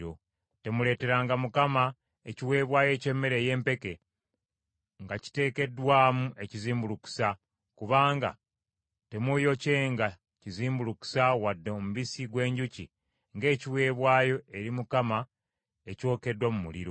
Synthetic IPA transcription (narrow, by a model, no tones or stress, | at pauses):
ɾo̞̰ | te̞mule̞ːte̞ɾaːŋɡamukama | eciwe̞ːβwaːje̞ːce̞mːe̞ɾe̞je̞ːmpe̞ke̞ | ŋɡaci̥te̞ːke̞dwaːmuʔe̞ciziːmbuluku̥sa | kuβaːŋɡa̰ | te̞mujo̞ce̞ːŋɡa | ciziːmbuluku̥sawadːeomuβisiɡwe̞ːɲɟucḭ | ŋɡe̞ːciwe̞ːβwaːjo̞e̞ɾimukama | e̞co̞ːke̞dːwamumulḭɾo̞